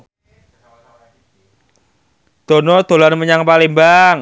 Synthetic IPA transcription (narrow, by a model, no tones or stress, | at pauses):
d̪̥o̤nɔd̪̥o̤lanməɲaŋpalimbaŋ